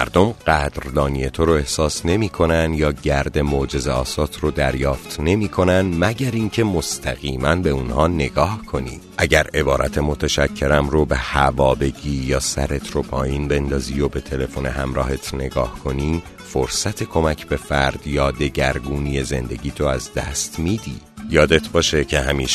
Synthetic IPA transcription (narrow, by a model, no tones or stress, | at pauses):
mæ̰ɾd̪omɢæd̪ɾd̪ɒːnije̞t̪ʰo̞ɾoe̞hsɒːsne̞miːkʰo̞nænd̪jɒːɟæɾd̪e̞mod͡ʒe̞zeɒːsɒːt̪ʰrod̪æɾjɒːft̪ne̞miːkʰo̞nænd̪mæɟæɾiŋcʰe̞most̪ʰæɣiːmænbe̞unhɒːne̞ɡɒːhkʰo̞nḭ̥ː | ʔæɟæɾe̞bɒːɾʔæ̰t̪ʰe̞mo̞t̪ʰæʃæcʰːe̞ɾæmɾobe̞hævɒːbe̞ɟiːjɒːsæ̰ɾe̞t̪ʰɾopʰɒːjinbe̞nd̪ɒːziːjobe̞t̪ʰe̞le̞fone̞ɦæmɾɒ̰ːɦet̪ʰne̞ɡɒːhkʰo̞niː | foɾsæt̪ʰe̞kʰomæcʰbe̞fæɾd̪̥jɒːd̪e̞ɟæɾɡuːniːje̞ze̞̰nd̪e̞̰ɟiːt̪ʰoæzd̪æːst̪miːd̪iːjɒːd̪e̞t̪ʰbɒːʃe̞cʰe̞ɦæmiːʃ